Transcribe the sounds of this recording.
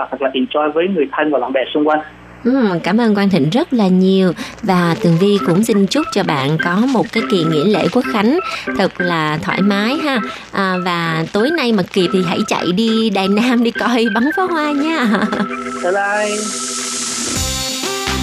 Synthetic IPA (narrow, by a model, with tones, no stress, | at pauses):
t̪ʰə˨˩laː˨ʔi˧˩t͡ɕɔ˧jvəː˨˦jŋɨ˨˩əjt̪ʰa˧jŋ̟vaː˨˩la̰˧˨ɓɛ˧˩sʊ˧ŋ͡mkwa˧jŋ̟ | ʔɨ˨˧˩mkaː˧˩mʔəː˧nkwaː˧nt̪ï˧˨ŋ̟zə˦˥t̚laː˨˩ɲi˨˩əwvaː˨˩t̪ɨ˨˩əŋvi˧kʊ̰˧˥ŋ͡mzï˧ŋ̟t͡ɕʊ˦˥k͡p̚t͡ɕɔ˧ɓa̰ː˧˨nkɔ˨˦mo˨˩t̚kaː˨˦jki˨˩əŋḭ˧˥əlḛ˧˩ku˨˦˥ək̚xa˨˦jŋ̟t̪ʰɨ˨˩k̚laː˨˩t̪ʰwa̰ː˧˩jmaː˨˦jɦaː˧ | ʔəː˨˩vaː˨˩t̪o˨˦jna˧jmə˨˩k̚ki˨˩p̚t̪ʰi˨˩ɦa̰˧˥jt͡ɕa̰˧˨jɗi˧ɗaː˨˩jnaː˧mɗi˧kɔ˧˩jɓa˨˦ŋfɔ˨˦ɦwaː˧ɲaː˧t̪ə˨˧˦ɗa˧j